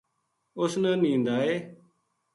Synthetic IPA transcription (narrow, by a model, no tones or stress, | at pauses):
ʊsnə̃ːnĩːnd̪aːeː